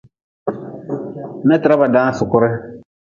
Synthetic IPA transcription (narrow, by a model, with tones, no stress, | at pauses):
nɛ˦tɪ˨ɾa˦ba˨dãː˦sʊ˨kʊ˦ɾɪ˦